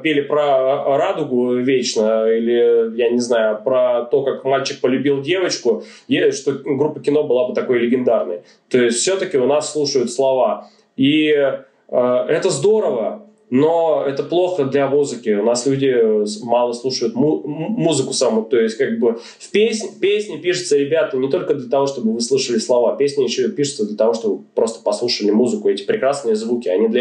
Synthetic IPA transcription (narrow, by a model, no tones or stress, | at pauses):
pʲelʲɪpɾəɾad̪ʊɡʊvʲet͡ɕnəilʲɪjanʲɪznajʊpɾət̪o̞kakmalʲt͡ɕɪk̚pəlʲʉbʲilˠdʲe̞vət͡ɕkʊ | jeʂt̪o̞ɡɾupːəkʲɪno̞bɨlˠabɨt̪ɐko̞jlʲɪɡʲɪnd̪arnəj | t̪o̞ɪsʲtʲfʲsʲɵot̪əkʲɪʊnasːlˠuʂəjʊt̪slˠɐva | i | əɛt̪əzd̪o̞ɾəvə | noɛt̪əplˠo̞xəd̪lʲɐmuzɨkʲɪʊnaslʲʉdʲɪmɑlˠəslˠuʂɨjʊt̪mumuzɨkʊsɐmut̪o̞ɪsʲtʲkaɡ̚bɨ | fpʲesʲnʲpʲesʲnʲɪpʲiʂɨ̥t̪səɾʲɪbʲat̪ənʲɪt̪o̞lʲkəd̪lʲət̪ɐvo̞ʂt̪o̞bɨvɨslˠuʂɨlʲɪslˠɐvapʲesʲnʲɪjɪɕːoɪpʲiʂɨ̥t̪səd̪lʲət̪ɐvo̞ʂt̪o̞bɨpɾo̞st̪ə̥pɐslˠuʂəlʲɪmuzɨkʊɛtʲɪ̥pɾʲɪkɾasnɨjəzvukʲɪɐnʲid̪lʲ